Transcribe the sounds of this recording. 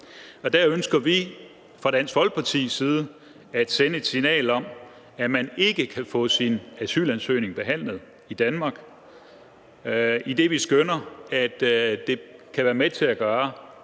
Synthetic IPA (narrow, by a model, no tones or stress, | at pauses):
ɒ̽d̥æɐønsɡ̥ɐʋi | fʁɑ̈d̥æn̰sʋɒ̽lɡ̥̚pʰɑ̈t͡sʰḭːsiːð̞ˠə | æd̥senəe̝d̥sinɛ̰ːlɒ̽m | æmæne̝ɡ̥əkʰæfɔ̰̽ːsinæsy̰ːlænsø̰ːne̝ŋb̥e̝ɦæn̰ləð̞̩ˠ | id̥ænmɑ̈ːɡ̥ | id̥e̝ʋisɡ̥ønɐæd̥d̥e̝kʰæʋæːɐmet͡sʰe̝æɡ̥ɶːɐ